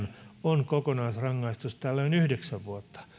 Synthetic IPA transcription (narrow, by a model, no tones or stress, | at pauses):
nonkokonɑisrɑŋːɑist̪ust̪ælːeonyhdeksæʋʋuot̪ːɑ̥